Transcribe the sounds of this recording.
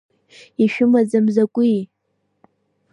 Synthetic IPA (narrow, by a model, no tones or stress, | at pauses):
iʃᶣʊmad͡zamzakʷʼi